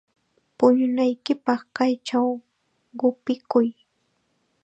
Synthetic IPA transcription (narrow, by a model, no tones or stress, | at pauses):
pʊɲʊnajkɪpɑχkajt͡ʃaw | ɢʊpɪkʊj